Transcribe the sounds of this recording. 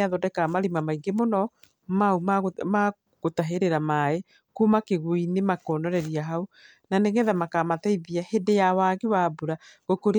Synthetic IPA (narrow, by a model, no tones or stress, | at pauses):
aðɔdɛkamaɾimamaiɡemonɔ | maumaɣma | ɣotaɦeɾeɾamae | kumakeɣwinemakɔnɔɾɛɾiaɦao | naneŋɛðamakamataiðiahedejawaɣewabuɾaɣokoɾ